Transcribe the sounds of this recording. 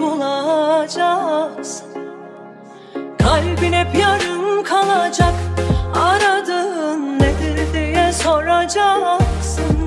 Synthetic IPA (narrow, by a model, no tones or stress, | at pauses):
ulˠad͡ʒaksɯn | kʰalʲbinɛpjaɾɯnkʰalˠad͡ʒakaɾad̪ɯnːed̪iɾd̪ijɛso̞ɾad͡ʒaksɯn